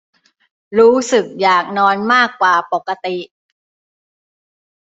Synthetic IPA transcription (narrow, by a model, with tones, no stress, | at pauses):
ɾuː˦˥sɯ˨˩k̚jaː˨˩k̚nɔː˧nmaː˥˩kːwaː˨˩po˨˩kːa˧t̪i˨˩ʔ